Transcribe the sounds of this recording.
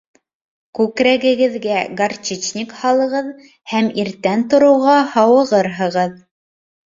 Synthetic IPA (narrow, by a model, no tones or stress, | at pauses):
kʉkɾæɡɘ̆ɡɘ̆ðɡæɡart͡ʃit͡ʃnʲikhɑlˠɤ̆ʁɤð | hæmiɾt̪ænt̪ŏɾɤ̆wʁɑhɑwɤ̆ʁɤɾɦɤ̆ʁɤð